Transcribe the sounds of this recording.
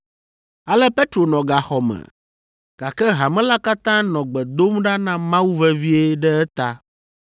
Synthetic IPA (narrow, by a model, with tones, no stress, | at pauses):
a˨lɛ˦pe˦t̪ɾo˨nɔ̃˨ɡa˨xɔ˨mɛ̰̃˨ | ɡ̥a˨kɛ˦ɦa˨mɛ̃˦la˦ka˦t̪ã˦nɔ̃˨ɡ͡bɛ˨d̪o˦mɖa˦nã˦mã˦wu˦vɛ˦vi˦e˦ɖɛ˦ɛ˦t̪a˦